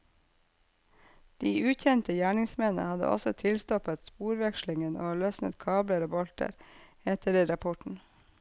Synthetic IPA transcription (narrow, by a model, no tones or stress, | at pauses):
d̪̥iːʔʉːçɛnt̪əjæːɳɪŋsmɛnə̰hɑd̪ə̰ʔɔ̰sɔt̪ʰɪlst̪ɔpət̪spuːɾʋɛkʃlɪŋəno̰ːlœsnə̰t̪kʰɑːbləɾoːbɔlt̪ə̰ɾ | ɛt̪ʰəɾiːɾɑpʰɔʈɳ̩